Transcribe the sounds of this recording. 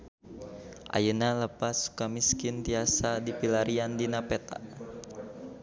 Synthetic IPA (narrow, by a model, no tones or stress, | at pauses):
ʔa̰jənaləpasːu̥kamiskɪnt̪iasadipilaɾiandinapɛt̪a̰